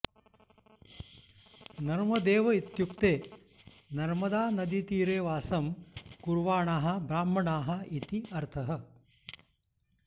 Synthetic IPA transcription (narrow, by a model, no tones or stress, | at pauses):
nɐɾmɐd̪eːʋɐit̪jukt̪eː | nɐɾmɐd̪aːnɐd̪it̪iːɾeːʋaːsɐmkuɾʋaːɳaːɦɐ̆bɾaːm̤ɐɳaːɦɐ̆it̪iɐɾt̪ʰɐɦɐ̆